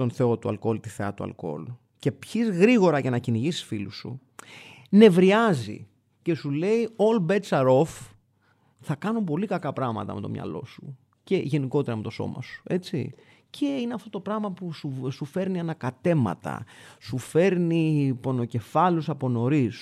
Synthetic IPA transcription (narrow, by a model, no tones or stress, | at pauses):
t̪o̞nθe̞o̞t̪uɐ̰lko̞lt̪iθeɐ̰t̪uɐ̰lko̞̰lu | ce̞pçizɣɾiɣo̞ɾɐʝɐnɐciniʝisi̥sfilusṵ | ne̞vɾiɐzḭ | ce̞sule̞io̞lbe̞t͡sɐɾo̞f | θɐkɐnopo̞likɐkɐpɾɐɣmɐ̰t̪ɐ̰me̞t̪o̞mɲɐ̰lo̞̰su | ce̞ʝe̞niko̞t̪e̞ɾɐmet̪o̞so̞̰mɐ̰su̥e̞t͡sḭ | cʰe̞ineɐft̪ot̪o̞pɾɐɣmɐpususufe̞ɾniɐnɐkɐt̪e̞mɐ̰t̪ɐ̰sufe̞ɾnipo̞no̞ce̞fɐlusɐpo̞no̞ɾis